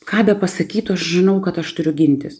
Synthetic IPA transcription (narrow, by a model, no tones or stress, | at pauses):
kɑːd̪ɐpɐsɐkʲiːt̪ʊɐʃʒʲɪnɐʊkɐt̪ɐʃt̪ʊɾʲʊɡʲɪnʲt̪ʲɪs